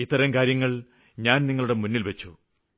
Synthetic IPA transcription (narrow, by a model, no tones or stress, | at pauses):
it̪ːɐɾɐmkaːɾjɐŋːɐɭ | ɲaːnniŋːɐɭuɽe̞munːilʋɐt͡ɕːu